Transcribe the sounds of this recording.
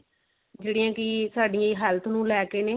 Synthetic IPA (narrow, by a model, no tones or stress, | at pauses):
d͡ʒeːɽiːãːkɪsaːɖijãːɦɛːlt̪ʰnũːlɛːkeːneː